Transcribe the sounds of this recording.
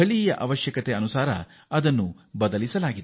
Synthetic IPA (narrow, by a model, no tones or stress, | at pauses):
ɐɭijɐʔɐʋɐʃjɐkɐt̪eɐnusaːɾɐ | ɐd̪ɐnːu | bɐd̪ɐlisɐlaːɡid̪